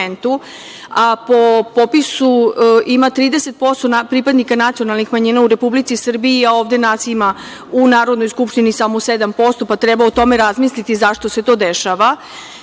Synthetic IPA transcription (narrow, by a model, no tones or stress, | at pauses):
nt̪u | apo̞popisuʔimat̪ɾiːd̪ese̞t̪̚po̞st̪onapɾipad̪nikanat̪sijo̞nalˠnixmaɲiːnauɾe̞publit̪sisr̩biiao̞ːvd̪e̞nat̪siima | unaːɾo̞d̪no̞jskupʂt̪inisamo̞sed̪ampo̞st̪o̞pat̪ɾɛbaot̪o̞me̞ɾazmislit̪izaʃt̪oset̪o̞ːd̪eʃaʋa